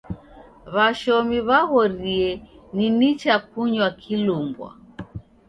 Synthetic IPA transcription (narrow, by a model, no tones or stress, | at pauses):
βaʃɔmiβaɣɔɾiɛninit͡ʃak̚uɲwakʰilumbwa̰